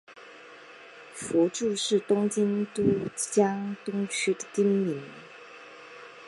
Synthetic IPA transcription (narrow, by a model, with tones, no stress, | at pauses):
fɔ˧˥ʈ͡ʂu˥˧ʂɻ̩˥˩t̪ʊ˥ŋt͡ɕi˥nt̪u˥t͡ɕjɑ˥ŋt̪ʊ˥ŋt͡ɕʰy˥d̪ə̥˨t̪i˥nmi˨˧˥n